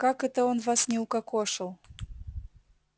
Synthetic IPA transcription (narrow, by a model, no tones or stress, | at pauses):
kakɛt̪əonvasnʲɪʊkakoʂɨlˠ